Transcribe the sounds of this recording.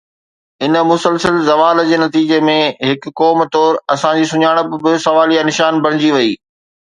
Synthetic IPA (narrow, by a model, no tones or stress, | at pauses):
ɪnə̆mʊsəlsəlzɐʋaːld͡ʑeːnɐt̪iːd͡ʑemẽɦɪk̆kɔːmt̪ɔːɾɐsãd͡ʑiːsʊɲaːɽ̃ə̆bɪ̆bɪsɐʋaːlijanɪʃaːnbɐɽ̤ɪd͡ʑiʋɐiː